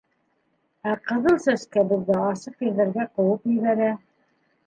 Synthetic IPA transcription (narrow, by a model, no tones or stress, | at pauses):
æqɤ̆ðɤlˠsæʃkæbɘ̆ðːæɑsɤqjɘ̆ɾðæ̆ɾɡæqɤ̆wɤqjɵ̆jβæɾæ